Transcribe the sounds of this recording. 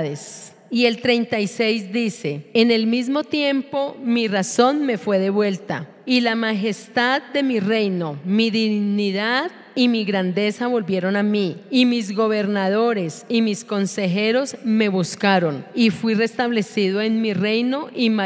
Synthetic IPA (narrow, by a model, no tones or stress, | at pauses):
ðes | ie̞lt̪ɾe̞jnt̪ajse̞jzd̪ise̞ene̞lmizmo̞t̪je̞mpo̞miraso̞nme̞fwe̞ðe̞βwe̞lt̪a̰ | ilamaxe̞st̪aðd̪e̞mire̞jno̞miðiɣniðað | imiɣɾand̪e̞saβo̞lbje̞ɾo̞namiimizɣo̞βe̞ɾnaðo̞ɾe̞simisko̞nse̞xe̞ɾo̞zme̞βuskaɾo̞nifwire̞st̪aβle̞siðoenmire̞jno̞ʔim